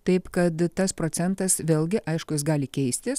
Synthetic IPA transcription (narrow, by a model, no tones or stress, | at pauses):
t̪ɐɪpkɐt̪t̪ɐspɾoːt͡s̪ʲɛnt̪ɐsʋʲeːlˠʲɡʲɪʔɐɪʃkʊjɪs̬ɡɑːlʲɪkʲɛɪsʲt̪ʲɪs